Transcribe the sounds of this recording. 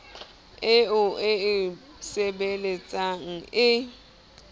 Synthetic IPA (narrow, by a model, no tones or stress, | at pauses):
ɪʊɪɪ | sɛɓelɛt͡sʼaŋ̩ɪ